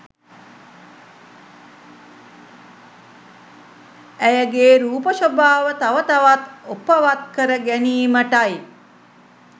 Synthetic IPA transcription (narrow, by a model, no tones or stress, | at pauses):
æjəɡeːɾuːpəʃobaːʋət̪aʋət̪aʋat̪opːəʋat̪̚kəɾəɡæniːməʈaj